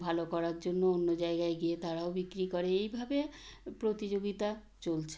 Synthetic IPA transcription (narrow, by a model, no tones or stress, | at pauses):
bʱalokɔɾaɾd͡ʑonːoonːod͡ʑaeɡaeɡiet̪aɾaobikɾikɔɾeejbʱabepɾot̪id͡ʑoɡit̪a | t͡ɕolt͡ɕʰe̥